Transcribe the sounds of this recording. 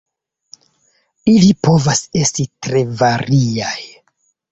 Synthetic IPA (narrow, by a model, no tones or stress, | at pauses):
ilipo̞vase̞stitɾe̞vaɾʔiaj